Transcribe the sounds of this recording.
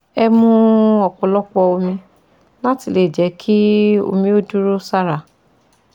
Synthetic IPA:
ɛ˧mũ˧ɔ˨k͡pɔ̃˨˧lɔ˦k͡pɔ˧o˧mĩ˧ | lã˦ti˧˨le˦˨d͡ʒɛ˨˦kʰi˦o̰˧mĩ˧o˦du˦ɾo˦sa˦ɾa˨

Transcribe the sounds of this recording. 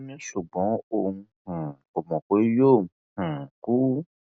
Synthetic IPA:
mĩ˦ʃu˨ɡ͡bɔ̃˨˦o˨ŋũ˧hũ˨ | o˨mɔ̃˨ko˨˦jõ˦˨˦h̩˨ku˦

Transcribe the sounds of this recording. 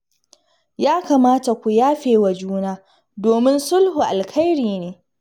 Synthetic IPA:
jaː˦ka˨maː˦ta˨kʷu˨jaː˦ɸeː˨wa˨d͡ʒuː˦naː˦ | doː˨mɪ˦nsʊ˦lhu˨ʔa˨lkʰa˦jɾiː˨neː˨

